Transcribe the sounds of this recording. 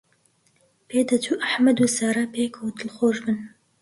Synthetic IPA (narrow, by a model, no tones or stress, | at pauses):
pʰeːd̪ɐt̪ʰuʔaħmɐd̪uːsaɾapʰeːkʰot̪ɨlxoːʒbɨn